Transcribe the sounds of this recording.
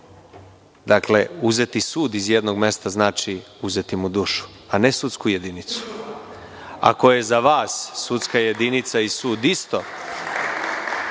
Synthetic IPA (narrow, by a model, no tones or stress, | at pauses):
d̪akle̞uze̞t̪isuːd̪izjed̪noɡme̞st̪aznaːt͡ʃi | uze̞t̪imud̪uːʃu̥ | anesut̪skuje̞d̪init̪su̥ | a̰ko̞je̞zaʋaːsːut̪skaje̞d̪init̪saisuːd̪ist̪o̞̰